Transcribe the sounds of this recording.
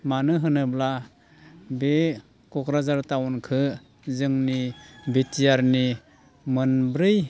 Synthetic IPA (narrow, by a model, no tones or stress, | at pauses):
manɯɦɯnɯbla | be | kɔkɾazaɾtawɔnkʰɯ | zɯŋnibetijaɾni | mɯnbɾɯj